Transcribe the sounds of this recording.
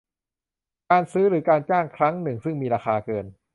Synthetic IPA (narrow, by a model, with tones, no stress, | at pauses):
kaː˧nsɯː˦˥ɾɯː˩˦kaː˧nt͡ɕaː˥˩ŋkʰɾa˦˥ŋnɯ˨˩ŋsɯ˥˩ŋmiː˧ɾaː˧xaː˧kɤː˧n